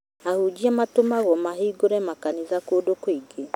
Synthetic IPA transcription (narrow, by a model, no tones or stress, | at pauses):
ahud͡ʒiamatomaɣɔmaɦiɡoɾɛmakanizakodokwiɡe